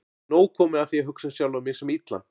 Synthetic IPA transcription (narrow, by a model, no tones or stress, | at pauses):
noːwkʰɔːmɪaθjɛɦʏksasjawlvamɪsɛmit̪la̰n